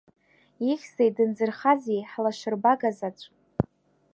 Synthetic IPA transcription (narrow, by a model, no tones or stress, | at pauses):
iχʲsejdɨnd͡zɨrχazijħlaʃʷɪrbaɡazat͡ɕʷʼ